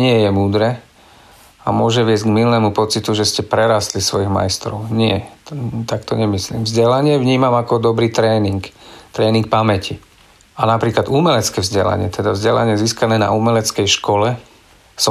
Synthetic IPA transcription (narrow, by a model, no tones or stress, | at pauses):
ɲɪɛjɛmuːd̪ɾɛː | amʊɔʒɛʋɪɛzɟɡmilnɛmupɔt͡sit̪uʒɛscɛpɾɛɾast̪lisʋɔjiɣma̰jst̪ɾɔ̰ʊɲɪɛt̪akt̪ɔɲɛmislḭːmvzɟɛlaɲɪɛvɲiːmamakɔd̪ɔbɾiːt̪ɾɛːniŋkt̪ɾɛːniŋk̚pamɛci | anapɾiːklad̪uːmɛlɛt͡skɛːvzɟɛla̰ɲɪɛt̪ɛd̪avzɟɛla̰ɲɪɛziːskanɛːna̰uːmɛlɛt͡skɛjʃkɔlɛ | sɔ